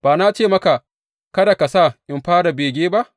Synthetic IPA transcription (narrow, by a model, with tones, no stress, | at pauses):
b̥aː˨na˦t͡ʃeː˦mɐ˦ka˨ | kɐ˦da˨ka˨sa˦˨ʔɪ˦mɸaː˦ɽa˨beː˨ɡʲeː˦ba˦ʔ